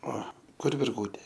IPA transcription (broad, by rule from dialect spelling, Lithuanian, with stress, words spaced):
ˈoː ˈkʊr ʋʲɪrˈɡuːtʲeː